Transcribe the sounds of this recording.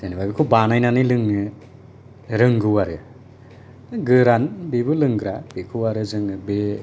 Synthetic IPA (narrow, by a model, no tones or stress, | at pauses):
zenibabikʰubanajnanɯjlɯŋɯ | ɾɯŋɡɯwaɾɯ | ɯɡɯɾanbibɯlɯŋɡɾab̥ekʰɯwaɾɯzɯŋɯbe